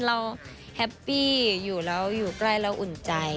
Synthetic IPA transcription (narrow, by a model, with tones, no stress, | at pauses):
ɾa˧˥w | hɛ˦˥pːiː˥˩juː˨˩lɛː˦˥wjuː˨˩kla˥˩jlɛ˦˥wʔu˨˩nt͡ɕa˧j